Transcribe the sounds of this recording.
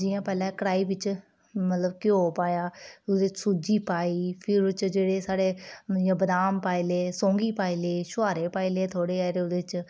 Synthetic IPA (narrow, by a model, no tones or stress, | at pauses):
d͡ʒɪjãːpɛːlɛ̃ːkəɽaːiːʋɪt͡ʃ | mət̪ləbkɪoːpaːjaːʊd̪eːt͡ʃsud͡ʒiːpaːiːpʰɪɾt͡ʃd͡ʒeːɽeːsaːɽeːjãːbəd̪aːmpaːileːsõːŋɡiːpaːileːʃʊʋaːɾeːpaːileːt̪ʰoːɽeːaːɾeːʊd̪eːt͡ʃ